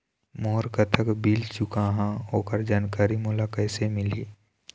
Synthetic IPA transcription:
moːɾkət̪ʰəkbiːlt͡ʃʊkaɦãoːkəɾd͡ʒaːnkaːɾimoːlakɛːsemɪliː

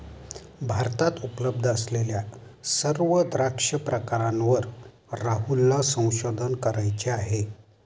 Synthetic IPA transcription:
bʱaɾt̪at̪upləb̚d̪ʱəəslelja | səɾʋəd̪ɾakʂəpɾəkaɾanʋəɾː | aɦulːasə̃w̃ɕod̪ʱənkəɾajt͡ɕeaɦe

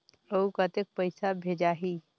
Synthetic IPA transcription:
əukət̪ek̚pəɪsabʱed͡ʒaɦi

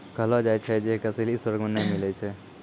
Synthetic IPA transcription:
kəɦlɔd͡ʒajt͡ʃʰɛd͡ʒeɦkəseleiswəɾɡmenəjmilɛt͡ʃʰɛ

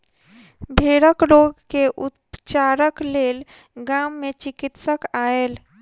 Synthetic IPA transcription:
bʱeɽəkloɡkeʔut̪t͡ʃaɾəklel | ɡamːet͡ʃikit̪səkael

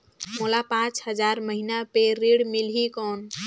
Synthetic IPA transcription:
molapãt͡ʃhəd͡ʒaɾməɦinapeɾiɽmilɦikɔn

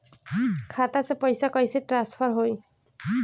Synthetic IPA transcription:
kʰat̪asepɔjsakɔjsiʈɾanspʰɔɾɦoj

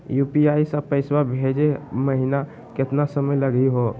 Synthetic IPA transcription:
jupiaisəpəɪswabʱed͡ʒeməɦina | ket̪nasəməjləɡiɦo

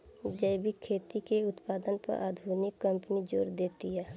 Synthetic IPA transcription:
d͡ʒəɪbʱikʰːeːt̪ikeʊt̪paːd̪ənpɐ̰ɾʔa̰ːd̪ʱuːnɪkːə̃mpənid͡ʒoːɾd̪eːt̪iɦɛː

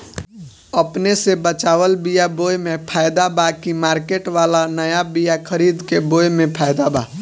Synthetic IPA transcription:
əpnesebət͡ʃaːʋəlbijabojmẽpʰaːjd̪abakimaːɾkeːʈʋalanəjabijakʰəɾid̪kebojmẽpʰaːjd̪aba

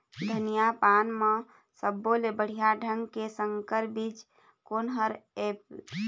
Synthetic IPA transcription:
d̪ʱənijapanmẽ | səbːolebəɽ̤ijaɖʱəŋɡkesəŋkəɾbiːt͡ʃ | konɦəɾep

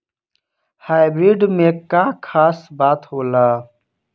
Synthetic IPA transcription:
haːɪbɾiːɖmẽːkaːkʰaːsbaːt̪hoːlaː

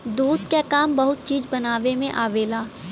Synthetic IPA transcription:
d̪uːd̪kekaːmbɐɦʊt̪̚t͡ʃiːd͡ʒbɐnaːʋemẽʔaːʋeːlaː

